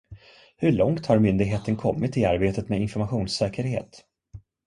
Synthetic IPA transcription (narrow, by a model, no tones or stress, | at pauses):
hɵɭɔŋt̪haɾmʏnd̪ɪɡɦeːt̪ənkʰɔmːɪt̪ɪaɾbeːt̪ət̪meɪnfɔɾmaɧuːnsɛːkəɾhḛːt̪